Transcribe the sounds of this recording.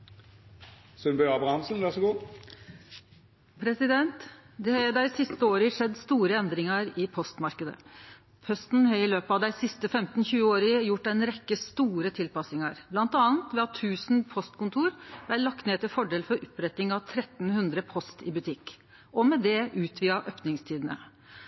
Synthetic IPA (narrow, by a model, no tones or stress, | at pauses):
sœnbœɑbʁɑnsnʋæʁsɛɡuː | pʰɾɛsɪd̪ɛnt̪d̪ɛhɑd̪æɪsɪst̪əoːɾəʂɛd̪ːst̪uːɾəɛnd̪ɾɪŋəɾɪpʰɔst̪mɑɾkəd̪ə̰ | pʰœst̪n̩ɦɑɾɪløːpəɑʋd̪æɪsɪst̪əfɛmt̪n̩çʉːəoːɾɪəjʊʈːɛɪnɾɛkːəst̪uːɾət̪ʰɪlpɑsɪŋəɾblɑnt̪ɑːnt̪ʋɛɑt̪ʰːʉːsn̩pʰɔst̪kʊnt̪ʰuːɾb̪ælɑkt̪neːt̪ɪlfɔɖeːlfɔɾʔʊpɾɛt̪ːɪŋɑʋt̪ʰɾɛt̪n̩hʉnd̪ɾəpʰɔst̪ɪ̰bʉt̪ʰɪkː | ɔmɛd̪ɛʔʉːt̪ʰʋiːɑʔøːpnɪŋst̪ʰiːd̪ənə̰